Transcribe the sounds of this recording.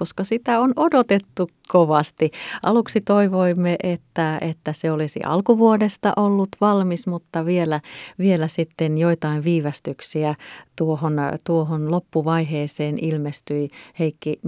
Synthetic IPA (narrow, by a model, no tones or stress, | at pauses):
oskɑsit̪æonodot̪et̪ːukkoʋɑst̪iʔɑluksit̪oiʋoimːeʔet̪ːæḛt̪ːæseolisḭʔɑ̰lkuʋuodest̪ɑ̰ʔolːut̪ʋɑlmismut̪ːɑʋielæʋielæsit̪ːenjoit̪ɑiʋʋiːʋæst̪yksiæt̪uohont̪uohonlopːuʋɑiɦeːseːnilmest̪yiheikːi